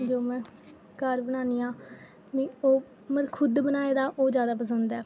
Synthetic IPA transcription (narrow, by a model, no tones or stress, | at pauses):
d͡ʒoːmɛ̃ː | kəɾbənaːniːãː | ʋĩːoː | məɾkʰʊd̪bənaːeːd̪aːʔoːd͡ʒjaːd̪aːpəs̬ənd̪ɛː